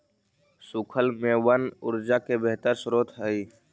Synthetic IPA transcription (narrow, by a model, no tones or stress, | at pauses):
sʊkʰəlmẽwənʊ̰ɾd͡ʒakebeɦt̪əɾsɾoːt̪ɦəi